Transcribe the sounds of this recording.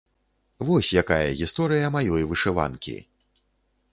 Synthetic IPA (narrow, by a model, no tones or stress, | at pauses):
vɔsʲjakajɐ̰ɣʲist̪ɔɾɨjɐmajɔjvɨʂɨva̰nkʲḭ